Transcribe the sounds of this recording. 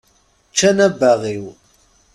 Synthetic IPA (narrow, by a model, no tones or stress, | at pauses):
t͡ʃːænæbːæʁiw